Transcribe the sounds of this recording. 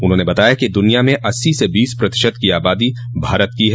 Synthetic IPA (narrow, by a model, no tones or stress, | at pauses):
ʊnɦõːnebɐt̪aːjakid̪ʊnijamẽʔɐsːisebiːspɾɐt̪ɪʃəd̪kiaːbaːd̪i | bʱaːɾət̪̚kiɦɛː